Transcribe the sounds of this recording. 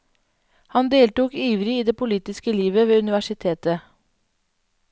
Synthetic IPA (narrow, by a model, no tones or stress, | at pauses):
hɑnd̪eːlt̪uːkiːʋɾɪiːd̪eːpʰʊliːt̪ɪskəliːʋəʋeːʉnɪʋæʃɪt̪ʰeːt̪ə